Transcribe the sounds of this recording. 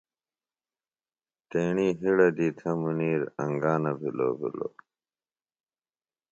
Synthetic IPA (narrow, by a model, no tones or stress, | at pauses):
t̪eːɳiːɦiɽɐd̪iːt̪ʰɐmuniːɾɐ̃ŋɡaːnɐbʱilo̰ːbḭlo̰ː